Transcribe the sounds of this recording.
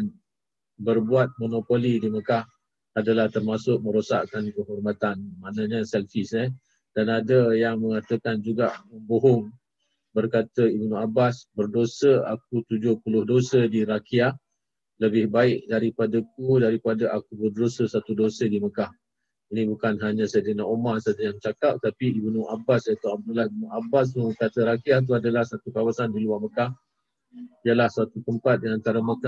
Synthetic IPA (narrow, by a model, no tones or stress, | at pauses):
n | bərbuat̪̚monopolidiməkah | adalaht̪ərmasʊk̚mə̃ɾosa̰ʔkankəɦɔrmat̪anmaʔnaɲəsɛlfɪsə | d̥anadəjaŋməŋat̪əkand͡ʒuɡaʔməmboɦʊŋ | bərkat̪əibnuabasbərdosəa̰k̚ut̪ud͡ʒʊhpulʊhdosədiɾakia | ləbɪhbaɪkdaɾipadak̚udaɾipadaʔakubərdosəsat̪udosədiməkah | inĩbukanɦaɲãsadənaʔomasadəjaŋt͡ʃakap̚t̪apiibunuʔabasat̪uab̚dulaibnuabas̬uŋbərkat̪əɾakiaht̪̬uadalahsat̪ukawasandiluwarməkah | ijəlahsat̪ukəmpat̪̚diant̪aɾəməka